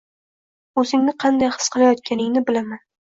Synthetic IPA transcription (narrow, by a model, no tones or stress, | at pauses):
ɵzɪŋnɪqʰɑnd̪ajχɨ̥sqʰɨlˠajɒt̪̚kʲanɪŋnɪbɪlaman